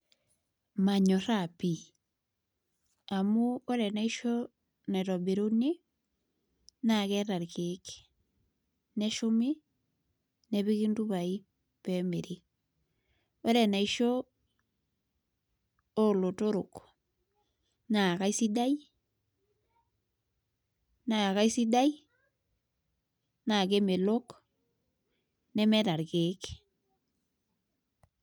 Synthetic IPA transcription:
ma˨ɲo˨ɾa˨pi˨ | a˨mu˦o˦ɾɛ˨na˦i˦ʃo˦ | na˨ɾɔ˨be˨ɾo˦ne˦ | na˨kɛ˦ɾa˨ɾkeke̥ | nɛ˦ʃo˦mi˦ | nɛβi˦ki˦ndu˦βai˦ | pɛme˨ɾi˦ | o˦ɾɛ˨na˨iʃo˦ | lo˨to˦ɾo˨k | na˨ka˦i˦si˦da˦j | na˨ka˦i˦si˦da˦j | na˨k̬e˦me˨lo˦k | nɛ˦mɛ˦ta˨ɾke˨˦k

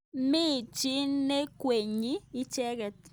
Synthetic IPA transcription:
mi˦˨t͡ʃi˦ne˦kwe˨ɲiː˦t͡ʃɛ˦kɛ˨t

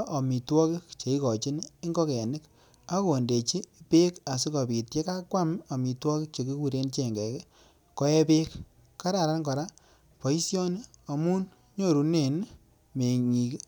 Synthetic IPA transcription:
ʔa˨mi˨twɔ˦kɪ˦kt͡ʃe˨i˦kɔ˨t͡ʃɪ˦ni˦ŋɡɔ˦ke˨a˨nɪ˦k | a˦ko˦o˨nde˨t͡ʃi˦pe˦ka˨s̬i˦kɔ˨pi˨tje˦ka˦kwa˦ma˨mi˨twɔ˦kɪ˦k̚t͡ʃe˨ki˦ku˦ɾe˦nt͡ʃɛ˨ŋɡɛ˨k | kɔ˦ɛ˦pe˦kː | a˦ɾa˨ɾa˦nkɔ˨ɾa˦ | pɔ˨i˦sjɔ˦na˨mu˦n | ɲo˦ɾu˨ne˦˨n | me˨ɲi˨k

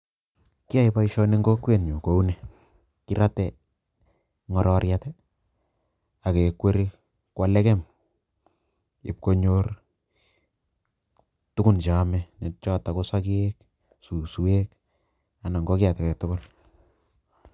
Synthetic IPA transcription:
ki˦a˦jpa˦iʃɔ˦ne˦ŋɡɔ˦kwe˨nɲo˨ko˨u˦nɛ˨ | ki˦ɾa˦tɛ | ŋɔ˨ɾɔ˨ɾjatɛ˦ | a˨ke˨kwe˦ɾi˦ | kwa˨lɛ˦kɛ˦m | ɪ˨p̚ko˦ɲor | tʊ˦kʊ˦˨nt͡ʃa˨mɛne˨t͡ʃɔ˦ta˨ko˦sa˦kiek | su˨su˨e˦k | a˨na˨ŋɡɔ˦ki˦a˨ta˨kɛ˨tʊ˦kʊ˦l

